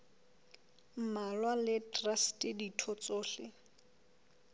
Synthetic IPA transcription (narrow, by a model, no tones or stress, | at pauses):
m̩malwalɪtʼrastʼɪditʰɔt͡soːɬɪ